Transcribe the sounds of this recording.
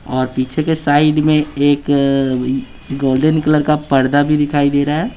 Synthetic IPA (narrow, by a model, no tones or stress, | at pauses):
ɔːɾpiːt͡ʃʰekesaːɪɖmẽeːk | ɡoːlɖənkələɾkapəɾd̪abʱid̪ɪkʰaːid̪eːɾaɦɛː